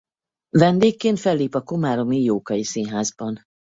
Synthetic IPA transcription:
vɛnd̪eːkːeːnt̪fɛlːiːpɒkomaːɾo̞mijoːkɒisinɦaːzbɒn

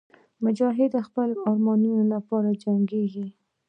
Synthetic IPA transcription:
mʊd͡ʒɑɦɪd̪əxpəlɑɾmɑnunolapɑɾad͡ʒaŋɡeɡi

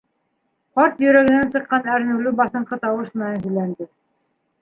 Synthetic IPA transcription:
qɑɾt̪jɵ̆ɾæɡɘ̆nænsɤ̆qːɑnæɾ̆nɘ̆lɘbɑθɤ̆ɴqɤt̪ɑwɤʃmɘ̆nænhɵ̆jlænd̪ɘ

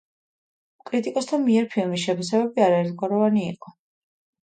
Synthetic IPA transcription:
kʼɾit̪ʼikʼɔsd̪ʰamiɛɾpʰilˠmis̬ʃɛpʰasɛbɛbiaɾaɛɾt̪ʰɡwaɾɔvaniḭqʼɔ

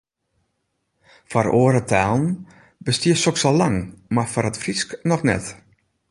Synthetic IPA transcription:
faroəɾətʰaːlˠn̩ | bəstiəsɔksɔlaŋmafaɾətfrisknɔxnɛ̰t

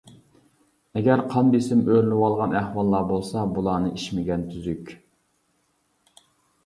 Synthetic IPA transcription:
ɛɡʲæɾqʰɑnd̪isɪmøɾlɪwɑlˠʁɑnæhwɑlˠːɑbolˠsɑbulˠɑːnɨʔiʃmɪɡʲɛnt̪ʰyzykʲ

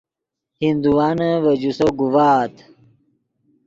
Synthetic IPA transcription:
hind̪uwaːnɐʋɐd͡ʑusoɡuwaːt̪

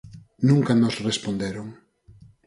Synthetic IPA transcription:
nũŋkanɔsrespond̪eɾoŋ

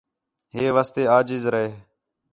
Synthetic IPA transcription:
ɦeːʋaːst̪eːaːd͡ʒɪzɾəɦeː

